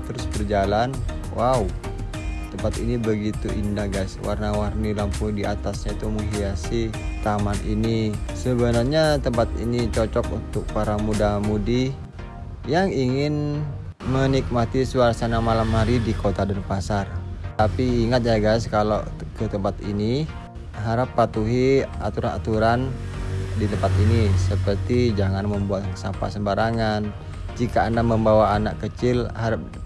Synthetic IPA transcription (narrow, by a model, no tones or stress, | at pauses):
t̪əɾʊsbərd͡ʒalanwʔau | t̪əmpat̪ḭnibəɡit̪uʔindaɡajswʔa̰rnawarnilampudiʔat̪asɲait̪umuŋɦiasɪt̪amanḭnisəbənarɲat̪əmpat̪ḭnit͡ʃot͡ʃɔk̚unt̪ʊk̚paɾamudamudi | jaŋiŋɪn | mənik̚mat̪isəwaɾsanamalamhaɾidikot̪adanpasart̪apiːŋat̪̚d͡ʒaɡajskalo | kət̪əmpat̪ḭni | ɦaɾapːat̪uɦia̰t̪uɾanat̪uɾan | dit̪əmpat̪inisəpərt̪id͡ʒaŋanməmbuat̪sampa̰səmbaɾaŋan | d͡ʒikaːndaməmbawaːnaʔkkət͡ʃɪlhaɾap̚